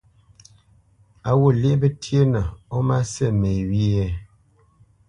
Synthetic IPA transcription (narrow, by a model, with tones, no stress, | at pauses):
a˨wo˨le˦bə˦tʰi˦e˦nə˨ɔ˦ma˦sɛ˦˨me˨wi˦jɛ˦